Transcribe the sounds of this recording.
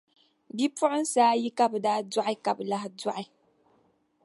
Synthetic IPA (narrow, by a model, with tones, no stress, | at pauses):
bi˦pʊ˦ʔʊ˦n̩˦saː˦ji˦ka˨bɨ˨daː˦dɔ˦ʔi˦ka˨bla˦hdɔ˦ʔi˨